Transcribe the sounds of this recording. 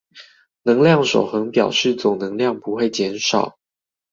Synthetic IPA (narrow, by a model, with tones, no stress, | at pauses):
nɤ˧˥ŋljɑ˥˩ŋʂo˨˩ʊxɤ˧˥ŋpjɑ˨˩ʊʂɻ̩˥˩t͡sʊ˨˩ŋnɤ˧˥ŋljɑ˥˨˩ŋpu˧˦xwe˥˩ɪt͡ɕjɛ˧˥nʂɑ˨˩˦ʊ